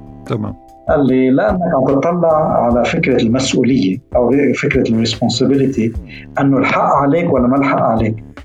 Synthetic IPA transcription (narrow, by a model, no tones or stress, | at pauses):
t̪ama̰ː | ʔalːilɪʔanːakʕant̪ɨt̪ˤːɑlːɑʕʕalafɪkɾalmasʔṵːlɪjːaʔawfɪkɾarːɪspɔnsabɪlɪt̪i | ʔɪnːʊlħaʔʕaleːkwalːamalħaʔʕaleːk